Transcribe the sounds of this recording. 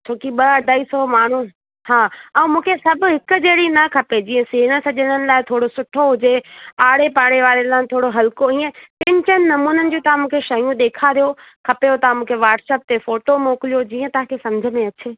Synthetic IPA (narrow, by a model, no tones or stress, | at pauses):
t͡ɕʰoːkiɓɐɖ̪aːisɔmaːɳ̤u | haːɛ̃mũːkʰesɐbʱʊ̆ɦɪkʊ̆d͡ʑeːɽinɐkʰɐped͡ʑiːə̃seːɦnəsɐʄənənɪ̆laːɪt̪ʰoːɽosʊʈʰoɦʊd͡ʑeaːɽepaːɽ̃eʋaːɾelãːt̪ʰoːɽoɦɐlkoĩːẽpɪ̃ɲt͡ɕənɪ̆nɐmuːnənɪ̆d͡ʑoːt̪ɐʋ̤ãmũːkʰeʃɐjũɗ̪eːkʰaɾijo | kʰɐpejot̪ɐʋãmũːkʰeʋaːɾʈsɛːp̚t̪efoːʈomoːklijod͡ʑiːə̃t̪ɐɦãkʰesɐ̃md͡ʑʱəmẽɐt͡ɕʰeː